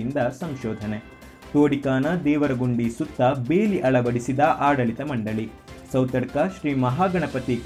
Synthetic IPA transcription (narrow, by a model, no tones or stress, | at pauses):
ind̪ɐsɐmʃɔːd̪ʱɐne | t̪oːɽikaːnɐd̪ɛːʋɐɾɐɡuɳɖisut̪ːɐbeːliʔɐɭɐbɐɽisid̪ɐʔaːɽɐɭit̪ɐmɐɳɖɐɭi | sɐwt̪ɐɽkɐʃɾiːmɐɦaːɡɐɳɐpɐt̪i